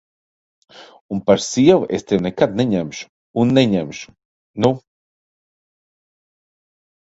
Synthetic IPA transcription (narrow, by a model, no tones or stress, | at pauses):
unpaɾsiɛvuʔḛst̪ewnɛkad̪̚nʲeɲæmʃu̥ː | nːeɲæmʃu̥ | nu